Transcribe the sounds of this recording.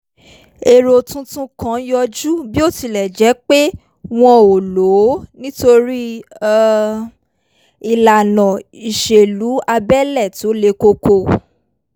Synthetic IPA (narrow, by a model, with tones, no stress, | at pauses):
e˨ɾo˧tũ˧tũ˧˦kã˨˦jɔ˧d͡ʒu˦bi˦o˦˨ti˧lɛ˨d͡ʒɛ˨˦k͡pe˦ | w̃ɔ̃˧o˨lo˨˦nĩ˦to˧ɾi˦ | i˨la˨nɔ̃˨i˨ʃe˨lu˨˦a˧bɛ˦lɛ˦˨ti˨˦o˦le˧ko˧ko˧˨